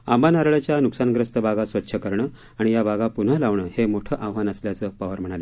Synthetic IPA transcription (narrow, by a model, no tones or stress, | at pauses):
amanaɾɭət͡ɕjanuksanɡɾəst̪əbaɡasʋətːɕʰəkəɾɳəː | aɽ̃ijabaɡapun̤əlaʋɳəːhemoʈʰəːʔaʋʋanəsljat͡səːpəʋəɾm̤əɽ̃ale